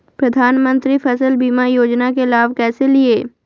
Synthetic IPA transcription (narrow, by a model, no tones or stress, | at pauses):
pɾɐd̪ʱaːnmə̃nt̪ɾipʰɛsəlbiːmajoːd͡ʒnakelaːʋkɛːselie